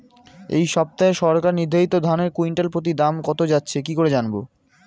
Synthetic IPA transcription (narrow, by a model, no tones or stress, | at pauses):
ḛjʃɔb̚t̪aeʃɔɾkaɾniɾd̪ʱaɦit̪od̪ʱaneɾkuiɳʈelpɾot̪̬id̪amkɔt̪od͡ʑatːɕʰekikoɾed͡ʑanbo